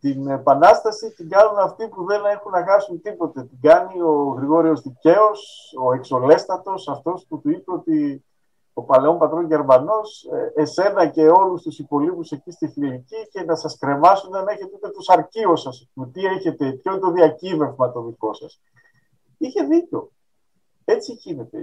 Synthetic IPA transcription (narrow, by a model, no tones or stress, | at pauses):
t̪inepɐnɐst̪ɐsit̪iɡɐnunɐft̪ipuðe̞ne̞xunːɐxɐsunt̪ipo̞t̪e̞t̪iɡɐnio̞ɣɾiɣo̞ɾio̞zðice̞o̞so̞e̞kso̞le̞st̪ɐt̪o̞sɐft̪o̞sput̪uipeo̞t̪i | o̞pɐle̞o̞mpɐt̪ɾo̞ɲʝeɾmɐno̞seese̞nɐce̞o̞lust̪usipo̞lipuse̞cist̪ixɾicice̞nɐsɐskɾe̞mɐsunɐneçet̪eut̪et̪osɐɾcio̞sɐseumet̪ie̞çe̞t̪e̞pçot̪o̞ðiɐciveɾvmɐt̪o̞ðiko̞sɐs | içe̞ðico̞ | e̞t͡siʝine̞t̪e̞̰